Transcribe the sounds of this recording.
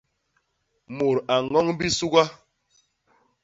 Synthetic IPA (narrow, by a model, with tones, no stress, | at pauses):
mo˨ɾa˨ŋɔ˦ŋbi˦su˦ɡa˦